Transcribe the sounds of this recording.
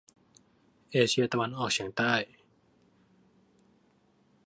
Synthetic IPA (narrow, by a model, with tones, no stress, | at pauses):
ʔeː˧t͡ɕʰi˧ɐt̪a˧wa˧nʔɔː˨˩k̚t͡ɕʰi˩˦əŋt̪aː˥˩j